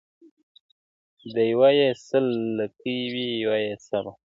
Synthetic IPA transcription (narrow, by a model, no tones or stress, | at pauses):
d̪əjwajesəlːəkiwijwajesaba